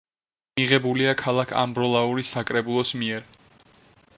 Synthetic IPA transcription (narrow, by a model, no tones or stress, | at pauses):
miʁɛbuliakʰalˠakʰa̰mbɾɔlˠauɾisakʼɾɛbulˠɔsmiɛɾ